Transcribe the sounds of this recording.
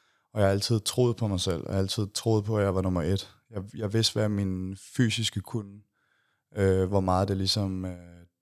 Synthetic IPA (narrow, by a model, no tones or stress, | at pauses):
ɒjɑhæl̰t͡sʰið̞̰ˠt͡sʰʁo̝ːð̞̩ˠpʰɒ̽mɑ̈ɪsel̰æl̰t͡sʰið̞̩̰ˠt͡sʰʁo̝ːð̩ˠpʰɒ̽æjɑ̈ɪʋɑ̈nɔ̽mɐʔe̝d̥ | jɑ̈ɪjɑ̈ɪʋe̝sd̥ʋæminfy̰ːsisɡ̥əkʰun | øʋɒmɑ̈ːð̩ˠd̥e̝lisɒ̽mø